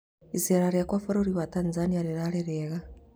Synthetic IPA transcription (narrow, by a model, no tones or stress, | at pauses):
izeɾaɾjakwafoɾoɾiβatanzaniaɾiɾaɾeɾeɣa